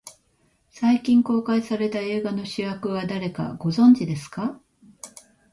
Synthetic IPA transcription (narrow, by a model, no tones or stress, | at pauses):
saikʲĩŋko̞ːkaisaɾe̞t̪ae̞ːɡano̞ɕɨjakɯ̟βad̪aɾe̞ka̰ɡ̥o̞zõ̞ɲd͡ʑid̪e̞sɨ̥ka